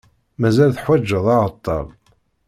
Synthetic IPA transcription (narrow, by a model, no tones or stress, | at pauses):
mæzælθħwæd͡ʒːəðˤɑʁət̪ˤːɑ̰l